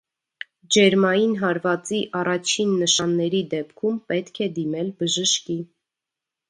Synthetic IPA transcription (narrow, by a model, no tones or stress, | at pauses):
d͡ʒɛɾmɑjinɦɑɾvɑt͡siʔɑrɑt͡ʃʰinːəʃɑnːɛɾid̪ɛpkʰumpɛt̪kʰɛd̪imɛlbəʒəʃki